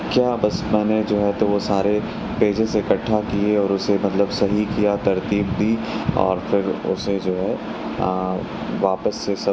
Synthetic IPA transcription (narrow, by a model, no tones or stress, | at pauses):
kjaːbɐsmɛːned͡ʒoːɦɛt̪oʋosaːɾe | peːd͡ʒeseɪkɐʈʰːakieɔːɾʊsemɐt̪ləbsɐɦikijat̪ɐɾt̪iːb̚d̪ʱiɔ̰ːɾfɪɾʊ̰sed͡ʒoːɦɛ | ʋaːpəsːesɐ